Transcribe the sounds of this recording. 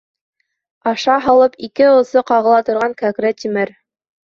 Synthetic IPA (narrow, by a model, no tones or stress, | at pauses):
ɑʃɑɦɑlˠɤpikɘŏsɤqɑʁɤ̆lˠɑt̪ŏɾʁɑŋkækɾæt̪imɘɾ